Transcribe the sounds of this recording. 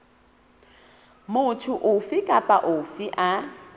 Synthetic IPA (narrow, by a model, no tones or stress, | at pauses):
mʊtʰʊʔʊfɪkʼapʼaʔʊfiʔa